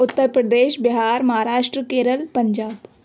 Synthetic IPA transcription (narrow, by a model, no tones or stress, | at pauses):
ʊt̪ːəɾpɾəd̪eːʃbɪɦaːɾmɐɦaːɾaːʃʈɾəkeːɾəlpəɲd͡ʒaːb